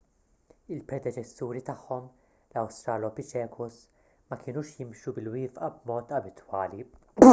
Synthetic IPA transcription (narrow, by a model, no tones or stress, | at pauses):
ɪlpɾɛd̪ɛt͡ʃɛsːuːɾit̪ɐħːɔm | lɐwst̪ɾɐːlɔpɪt͡ʃɛːkʰʊs | mɐkɪːnuːʃjɪmʃubɪlwɪːfʔɐbmɔːt̪ɐbɪt̪wɐːli